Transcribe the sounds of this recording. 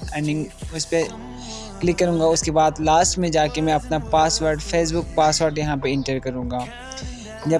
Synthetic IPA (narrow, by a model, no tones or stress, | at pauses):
ɛ̃ɳɖɪ̃ŋɡʊspe | klɪkːɐɾũːŋɡaʊskebaːd̪laːsʈmẽd͡ʒaːkemɛ̃ɐpnapaːsʋəːɾɖfʰeːs̬bʊk̚paːsʋəːɾɖjɐɦãpeɪ̃ɳʈəɾkɐɾũːŋɡaː | d͡ʒɐ